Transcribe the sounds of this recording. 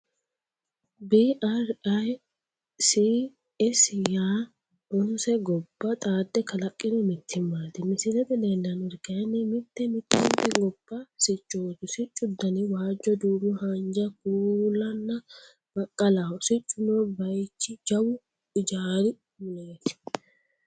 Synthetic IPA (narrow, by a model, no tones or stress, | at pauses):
biʔɐɾɐj | si | ɛsjaː | ʔʊnsɛɡɔbːɐt̪ʼaːd̪ːɛkɐlɐkʼːɪnɔmɪt̪ʰːɪmːaːt̪ɪmɪsɪlɛt̪ɛd̪ɛnd̪ɐnɔɾkɐjɐnːɪmɪt̪ːɛmɪt̪ːɪnt̪ːɛɡɔb̥ːɐsɪt͡ʃʼːoːt̪ʊsɪt͡ʃʼːʊd̪ːɐnɪwaːd͡ʒːɔd̪uːbʊhɐnd͡ʒɐkuːlːɐnːɐ | bɐkʼːɐlasɪt͡ʃʼːʊnɔbɐjt͡ʃːɪd͡ʒɐwʊ | ɪd͡ʒaːɾɪ | mʊleːt̪ɪ̥